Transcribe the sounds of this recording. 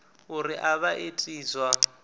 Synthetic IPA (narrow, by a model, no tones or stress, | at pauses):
urɪʔaβaʔetʼiːzwa